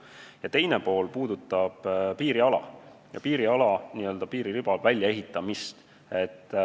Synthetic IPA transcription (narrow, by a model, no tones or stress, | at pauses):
jɑt̪e̞jnepo̞ːlpuːd̪̥ut̪ːˑɑb̥piːɾiɑlɑ̰jɑpiːɾiɑlɑniːø̞ld̪̥ɑpiːɾilyb̥ɑlvælʲjɑe̞ɦit̪ːˑɑmist̪ | e̞t̪ː